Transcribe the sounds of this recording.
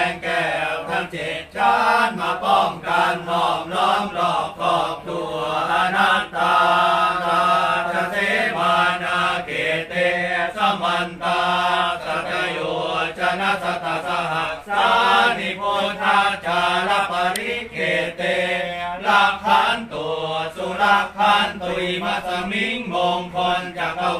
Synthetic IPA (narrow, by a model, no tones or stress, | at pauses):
ŋkɛːwt̪ʰant͡ɕet̪̚t͡ɕaːnmaːpɔmkansɔm̚lɔːmlɔːp̚k̪ʰɔːk̚t̪uɐʔanat̪ːa | aasebaːnaːkʰeːt̪esamant̪aːkakajot͡ʃanasat̪asaɦasanipot̪ʰat͡ʃalapaɾiɡet̪elakʰant̪osulakʰant̪uimasamiŋmoŋpɔnt͡ʃaka